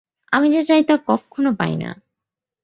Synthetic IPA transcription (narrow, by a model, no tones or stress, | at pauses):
amid͡ʑat͡ɕajt̪akɔkʰːonopa̰jna̰